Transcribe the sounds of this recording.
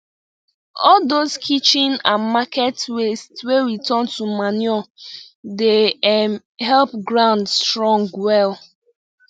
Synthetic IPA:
ɔldoskʰit͡ʃĩnãmakɛtwestwewitɔntumanɛl | dem | hɛlpɡɹãʊ̃ndstɹɔ̃ŋɡwɛl

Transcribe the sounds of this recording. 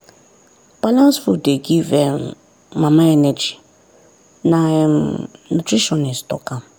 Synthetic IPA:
b̥alãnsfudeɡivɛn | mamaɛnɛd͡ʒi | na | nutʰɾiʃɔnistɔ̰kam

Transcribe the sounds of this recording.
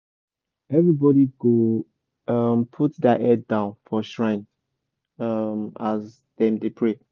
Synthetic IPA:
ɛvɹibɔɾiɡo | ʌmpʰutdaʔɛdãʊ̃nfɔʃɹãɪ̃n | ʌmaz | ðɛ̃mdepʰɹe

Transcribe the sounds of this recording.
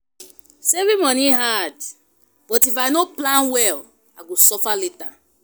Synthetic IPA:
sevimɔ̃niɦad | b̥ɔtifajnoplãnwɛl | a̰ɡosɔfaleta

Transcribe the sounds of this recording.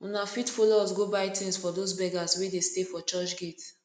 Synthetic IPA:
unafitfolosɡobaɪtʰĩnsfɔdozbɛɡaswedestefɔt͡ʃɔt͡ʃɡet

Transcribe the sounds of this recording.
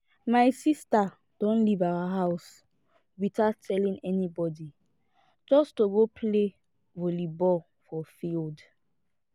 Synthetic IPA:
majsista | d̥ɔ̃nlivawaɦaws | witatʰɛlĩŋɛnibɔdi | d͡ʒɔstoɡopʰle | volibɔ | fɔfild

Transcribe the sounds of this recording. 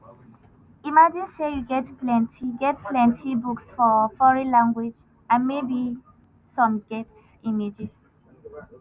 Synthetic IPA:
imad͡ʒĩnsejuɡɛtplɛ̃ntʰiɡɛtplɛ̃ntʰibuksfɔfɔɹĩlãŋɡwid͡ʒ | ãnmebi | sɔ̃mɡɛt | imed͡ʒis

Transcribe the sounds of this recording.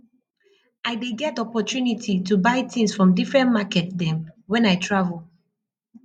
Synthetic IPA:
ʔaɪbeɡɛtɔpɔtjunitʰitubaɪtĩnsfɹɔ̃mdifɹɛ̃nmakɛtdɛ̃mwɛ̃naɪtʰɹavl

